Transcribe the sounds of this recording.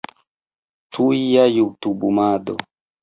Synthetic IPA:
tuijajut̪ubumado

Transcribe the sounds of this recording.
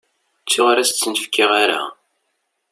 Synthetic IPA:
t͡sːʊʁɾæst͡sːənəfkːɪʁaɾa̰

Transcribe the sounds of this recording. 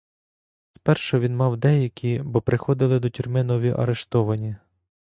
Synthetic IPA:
spɛrʃɔʋʲinmɑwd̪ɛjɐkʲʰibɔpɾɪxɔd̪ɪlˠɪd̪ɔtʲurmɪnɔʋʲiʔɐ̰ɾeʃt̪ɔʋɐnʲi

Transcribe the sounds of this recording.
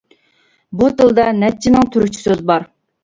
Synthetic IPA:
but̪ʰɨlˠd̪ɑnɛp̚t͡ʃʰːinɨŋt̪ʰyɾʊt͡ʃʰi̥søzbɑɾ

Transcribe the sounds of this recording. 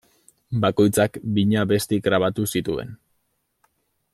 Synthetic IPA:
bako̞jt͡sakbiɲaβe̞st̪iɡɾaβ̞at̪usit̪ue̞̰n

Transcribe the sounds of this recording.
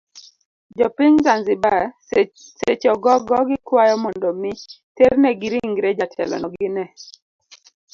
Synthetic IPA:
d͡ʒɔpiŋzanzɪba | sḛt͡ʃɔɡɔɡɔɡɪkwajɔmɔndɔmi | teɾnɛɡɪɾiŋɡɾed͡ʒatʰɛ̰lɔ̰nɔɡɪnɛ

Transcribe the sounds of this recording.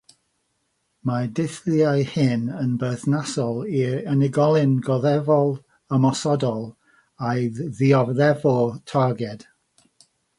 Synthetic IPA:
madɪθliajhɪnənbəθnasɔlˠiənɪɡɔlˠɪnɡɔðɛvɔlˠ | əmɔsɔdɔlˠ | ajðiɔvðɛvɔtʰaɡɛd̥

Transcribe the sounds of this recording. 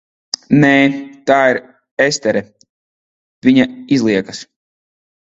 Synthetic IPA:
nɛːt̪aːiɾ | est̪ɛɾɛ | vʲiɲaizlˠiɛkas

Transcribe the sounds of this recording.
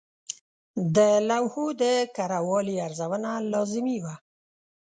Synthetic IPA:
d̪əlawhud̪əkaɾawɑliaɾzawənalɑzɪmiwa

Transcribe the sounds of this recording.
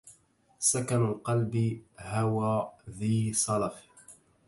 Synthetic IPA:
sakanalqɑlbɪhawaːðiːsˤɑlaf

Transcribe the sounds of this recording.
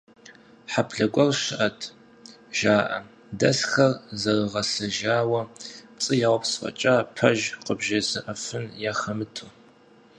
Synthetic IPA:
ħapʰɬɐɡʷɐrʃɪʔɐtʰ | ʒaːʔɐ̰ | dɐsxɐrzɐrɨʁɐsɐʒaːwɐpt͡sʼɨjaːwpsfɐ̰t͡ʃʼaːpʰɐʒqəbʒɐzɨʔɐfɨnjaːxɐmɨtʰu

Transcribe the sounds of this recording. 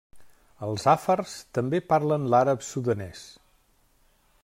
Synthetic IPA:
əlˠzafərst̪əmbepaɾlənlaɾəpsuðənɛs

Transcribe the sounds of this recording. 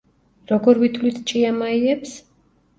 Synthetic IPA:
ɾɔɡɔɾvit̪ʰlit̪ʰt͡ʃʼiamaiɛps

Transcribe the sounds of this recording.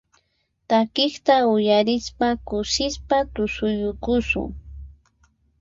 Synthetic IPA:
t̪akɪχt̪aʊjaɾɪspakʊʃɪspat̪ʊsʊjʊkʊsʊ̰ŋ

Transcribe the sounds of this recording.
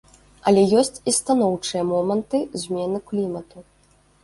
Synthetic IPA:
ɐlʲɛjɔsʲt͡sʲist̪an̪ɔwt͡ʂɨjɐmɔmɐnt̪ɨzʲmʲɛnɨklʲimɐt̪u

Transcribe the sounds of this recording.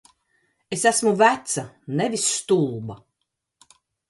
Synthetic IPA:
esæsmuvæt̪sanevisːt̪ulˠba

